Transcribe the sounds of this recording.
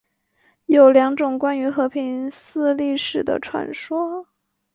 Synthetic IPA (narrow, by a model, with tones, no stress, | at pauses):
jo˨˩ʊljɑ˧˥ŋʈ͡ʂʊ˨˩ŋkwa˥ny˧˥xɤ˧˥pʰi˧˥nsɹ̩˥˧li˥˩˧ʂɻ̩˨˩d̪ə̰˦ʈ͡ʂʰwa̰˨˩nʂwɔ˥